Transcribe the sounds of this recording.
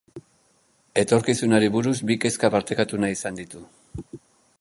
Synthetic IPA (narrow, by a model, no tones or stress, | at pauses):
e̞t̪o̞ɾkisunaɾiβuɾuzbike̞skapaɾt̪e̞kat̪unaisand̪it̪u